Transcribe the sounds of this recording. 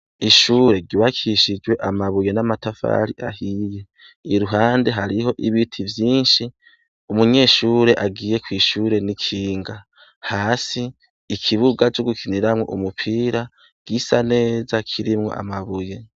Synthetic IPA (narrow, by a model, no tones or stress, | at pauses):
iʃuːɾe̞ɾɟiβakʰiʃid͡ʒwe̞ʔamaβujenamatafa̰ɾiʔahije̞ | iɾuɦaːnde̞ɦaɾiɦo̞ʔiβitʰivjiːnʃi | umuɲe̞ːʃuːɾe̞ʔaɡiːje̞kwiːʃuːɾe̞nikʰiːŋɡa | haːsiː | kʰiβuɡat͡ʃoɡukʰiniɾamŋo̰ʔumupʰiːɾa | ɡ̥isane̞ːzakʰiɾimŋo̞̰ʔa̰maβuje̞